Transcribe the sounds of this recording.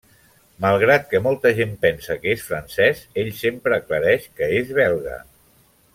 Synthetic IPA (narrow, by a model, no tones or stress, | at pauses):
malˠɣɾat̪̚kəmɔlˠt̪əʒempɛnsəkəesfɾənsɛzeʎsempɾəːkləɾɛʃkəezβ̞ɛlˠɣə̰